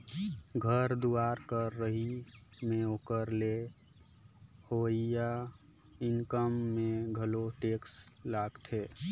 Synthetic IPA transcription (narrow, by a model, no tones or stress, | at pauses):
ɡʱəɾd̪uaɾkəɾːəɦimẽoːkəɾle | hoija | ɪŋkəmːẽɡʱəloʈeːkslaːɡt̪ʰe